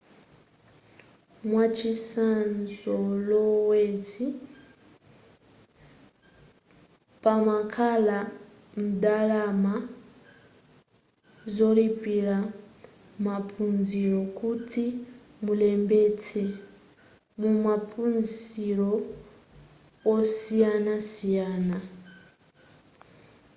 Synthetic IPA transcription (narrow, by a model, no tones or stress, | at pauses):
mwat͡ʃisanzɔlɔwɛti | pamakʰala | m̩dalama | zɔlipila | mapʰunziɾɔkʰutʰi | mulɛmbɛtʰɛ | mumapʰunziɾɔ | ɔsijanasijaːna